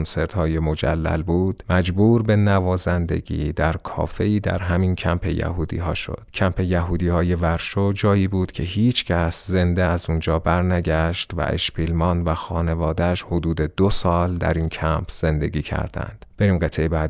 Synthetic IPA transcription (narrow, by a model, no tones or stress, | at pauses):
nse̞ɾt̪hɒːje̞mod͡ʒæ̰lːæ̰lbuːd̪̥mæd͡ʒbuːɾbe̞nævɒːzænd̪e̞̰ɡḭːd̪æɾkʰɒ̰ːfe̞iːd̪æ̰ɾɦæmincʰæmpʰe̞̰jæ̰huːd̪ḭːɦɒ̰ːʃo̞̰d̪̥cʰæmpʰe̞jæɦuːd̪iːhɒːje̞væɾʃod͡ʒɒːjiːbuːd̪cʰe̞ɦiːt͡ʃʰcʰæsze̞nd̪eæzund͡ʒɒːbæɾnæɟæʃt̪væ̰ʔḛʃpʰilmɒːnvæxɒːne̞vɒːd̪æʃhod̪uːd̪e̞d̪osɒːld̪æ̰ɾiːncʰæmpʰz̥e̞nd̪e̞̰ɡiːcʰæ̰ɾd̪æ̰nd̪̥b̥e̞ɾiːmɢe̞t̪ʰejbæːd̪